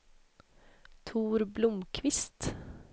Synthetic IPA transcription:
t̪ʰuːɾblʊmkʰʋɪst̪

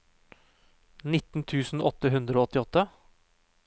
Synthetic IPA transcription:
nɪt̪n̩t̪ʰʉːsn̩ɔt̪ːəɦʉnd̪ɾəoːɔt̪ːɪɔt̪ːə

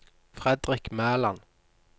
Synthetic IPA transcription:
fʁɛd̪ʁɪkmæːlɑn

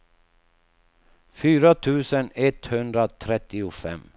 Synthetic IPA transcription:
fyːɾat̪ʰʉ̟ːsənɛt̪hɵnd̪ɾat̪ʰɾɛt̪ːɪʊfɛ̰mː

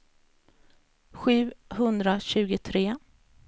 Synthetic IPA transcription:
ɧʉ̟ːhɵnd̪ɾaɕʉ̟ːɡʊt̪ʰɾeː

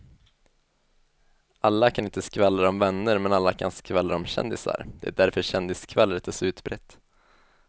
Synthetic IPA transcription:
ʔalːakʰanɪnt̪əskvɛlːaɾɔmvɛnːəɾmɛnalːakʰanskvɛlːaɾɔmɕɛ̰nd̪ɪsa̰ɾd̪̥ɛæ̰ɖæɾfœɕɛnd̪ɪskʰvɛlɾɛt̪ʰːɔsʉ̟ːt̪bɾɛt̪ː

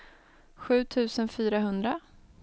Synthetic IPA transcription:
ɧʉ̟ːt̪ʰʉ̟ːsənfyːɾaɦɵnd̪ɾa

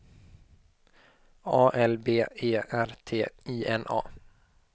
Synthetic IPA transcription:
ɑːʔɛlbeːeːæɾt̪ʰeːiːʔɛnʔɑ̰ː

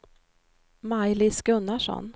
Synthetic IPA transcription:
majlɪskɵnːaʂɔ̰n

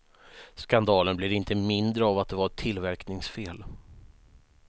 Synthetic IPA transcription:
skand̪ɑːlənblɪɾɪnt̪ʰəmɪnd̪ɾəavat̪̚d̪ɛvaɾʈʰɪlːvæɾknɪŋsfeːl

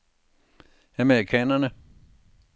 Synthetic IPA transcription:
æmeikʰɛnɐnə

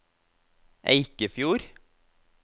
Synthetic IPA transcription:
ʔḛɪkəfjuːɾ

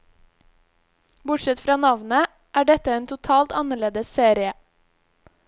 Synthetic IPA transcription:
bʊʈʃɛt̪fɾɑːnɑʋnə | ʔæːɖɛt̪əeːnt̪ʰʊt̪ʰɑːlt̪ɑnəɭeːd̪əsseːɾɪə

